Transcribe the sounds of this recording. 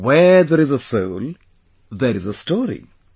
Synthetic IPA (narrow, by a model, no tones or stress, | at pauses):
wɛðəɾɪzəsoʊl | ðəɾɪzəstɔːɹḭ